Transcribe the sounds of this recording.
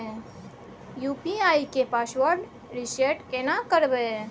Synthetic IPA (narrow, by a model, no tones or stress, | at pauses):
juːpiaːikepaːsʋəɾɖ | ɾɪseʈkenakəɾbe